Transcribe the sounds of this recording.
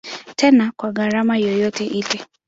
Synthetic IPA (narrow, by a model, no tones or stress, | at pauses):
tɛnakwaɣaɾamajɔjɔtɛʔilɛ